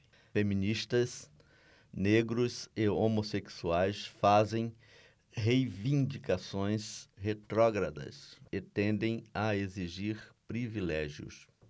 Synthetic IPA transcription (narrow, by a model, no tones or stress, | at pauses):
femĩnist̪ɐs | neɡɾʊzeomoseksuajsfazẽj̃ | hejvĩnd͡ʒikasõj̃shet̪ɾɔɡɾɐd̪ɐ̰set̪ẽnd̪ẽj̃ɐeziʒiɾpɾivilɛʒjʊ̰s